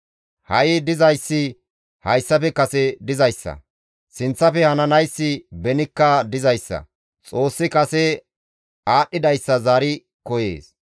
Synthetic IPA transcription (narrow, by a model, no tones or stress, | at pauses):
hɐjɪd̪ɪzɐjsːɪ | hɐjsːɐfɛkɐsɛd̪ɪzɐjsːɐ̰ | sɪnt͡sːɐfɛhɐnɐnɐjsːɪbɛnɪkːɐd̪ɪzɐjsːɐ̰ | t͡sʼo̞ːsːɪkɐsɛ | aːɗːɪd̪ɐjsːɐzaːɾɪ | kɔjḛːs